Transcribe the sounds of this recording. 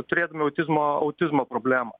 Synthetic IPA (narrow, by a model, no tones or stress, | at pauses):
t̪ʊɾʲeːd̪ɐmʲɪɐʊt̪ʲɪzmoːɐʊt̪ʲɪzmoːpɾoːbʲlʲæːmo